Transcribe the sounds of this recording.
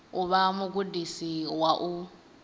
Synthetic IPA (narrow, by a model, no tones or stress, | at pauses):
ʊβamʊɡudisiwaʔu